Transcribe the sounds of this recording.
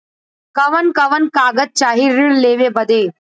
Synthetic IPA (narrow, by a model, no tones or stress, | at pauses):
kɐʋənkɐʋənkaːɡət̪̚t͡ʃaːɦiɾɪɭleːʋebɐd̪eː